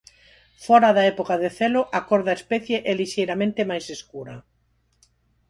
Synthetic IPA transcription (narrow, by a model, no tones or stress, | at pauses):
fɔɾaðaɛpokaðeθelʊʔakɔɾðaespɛθjeʔeliʃejɾamẽnt̪ɪmajseskuɾɐ